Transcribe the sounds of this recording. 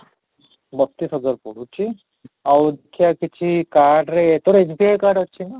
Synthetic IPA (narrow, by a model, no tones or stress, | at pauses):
bəst̪iːsɦəd͡zaɾpəɽ̤ut͡ɕi | awd̪ekʰjakit͡ɕʰikaɾɖɾet̪ɔɾed͡ʑbiajkaɾɖət̪̚ːt͡ɕʰina